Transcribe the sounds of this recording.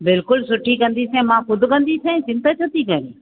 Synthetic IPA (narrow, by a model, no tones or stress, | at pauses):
bɪlkʊlsʊʈʰikɐ̃nd̪isẽmãxʊd̪ʱʊ̆kɐ̃nd̪isẽsɪ̃nt̪ət͡ɕʰɐt̪ikɐɾiː